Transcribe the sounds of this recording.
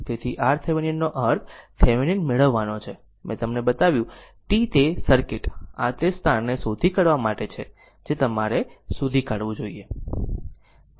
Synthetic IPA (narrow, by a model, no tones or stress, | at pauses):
t̪et̪ʰiʔaɾt̪ʰeʋininːoʔəɾt̪ʰːeʋininmeɭəʋːanot͡ʃʰe | mɛ̰̃t̪əmnebət̪aʋjũ | ʈit̪esəɾkɪʈa̰t̪est̪ʰannesod̪ʱikəɽʋamaʈet͡ʃʰe | d͡ʒet̪əmaɾesud̪ʱikəɽʋũd͡ʒoie